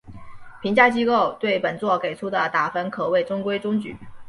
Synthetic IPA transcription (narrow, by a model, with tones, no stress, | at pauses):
pʰi˧˥ŋt͡ɕja˥˧t͡ɕi˥ko˥˧ʊt̪we˥˩ɪpə˨˩nt͡swɔ˥˩ke˨˩ɪʈ͡ʂʰu˥d̪ə˨t̪a˨˩fə˧˥nkʰɤ˨˩we˥˩ɪʈ͡ʂʊ˥ŋkwe˥ɪʈ͡ʂʊ˥ŋt͡ɕy̰˨˩˦